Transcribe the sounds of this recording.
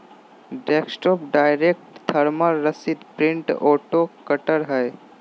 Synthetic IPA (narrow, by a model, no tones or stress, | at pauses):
ɖɛːksʈɔːpɖaːɪɾek̚ʈt̪ʰəɾməɾːəsid̪pɾɪ̃ɳʈoːʈokəʈəɾɦɛj